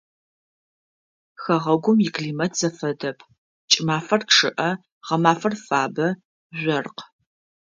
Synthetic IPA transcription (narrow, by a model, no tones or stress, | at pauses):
xɐʁɐɡʷʊmjɪkʰɮiːmɐtʰz̥ɐfɐdɐpʰ | t͡ʃʼɪmaːfɐrkʂɨʔɐ | ʁɐmaːfɐrfaːbɐ | ʒʷɔrq